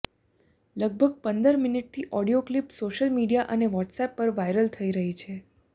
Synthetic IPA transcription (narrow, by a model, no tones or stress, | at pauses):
ləɡ̚bʱəɡ̚pənd̪əɾminiʈ̚t̪ʰiʔɔɽijoklipsoʃəlmiɖijaʔəneʋɔʈsɛpːəɾʋajɾəlt̪ʰəiɾəɦit͡ʃʰe